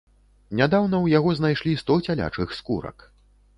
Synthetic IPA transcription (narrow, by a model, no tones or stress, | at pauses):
nʲad̪awnɐwjaɣɔznajʂlʲist̪ɔt͡sʲalʲa̰t͡ʂɨxskuɾɐ̰k